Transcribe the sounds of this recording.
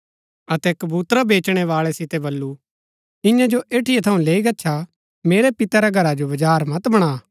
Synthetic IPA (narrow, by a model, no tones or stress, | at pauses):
ɐt̪ɛkɐbuːt̪ɾabeːt͡ʃɽ̃ɛʋaːɭɛsɪt̪ɛbɐlːu | ɪ̃jãd͡ʒoʔeːʈʰɪjet̪ʰɐũleːiɡɐtːʃʰa | meːɾepɪt̪aɾaɡʱɐɾad͡ʒobɐd͡ʒaːɾmɐt̪bɐɽ̃aː